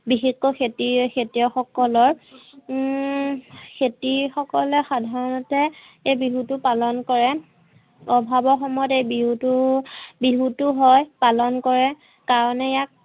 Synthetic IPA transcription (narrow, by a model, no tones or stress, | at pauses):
bixixɔxetixʰetijɔxɔkɔlɔɹ | kʰetixɔkɔlɛxadʱaɹɔnɔtɛ | ejbiɦutʊpalɔnkɔɹɛ | ɔbʱabɔɹxɔmɔjɔtejbiɦutubiɦutʊɦɔjpalɔnkɔɹɛ | kaɹɔnɛjak̚